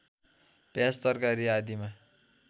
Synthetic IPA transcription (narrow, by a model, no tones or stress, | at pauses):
pjast̪ʌrkaɾiad̪ima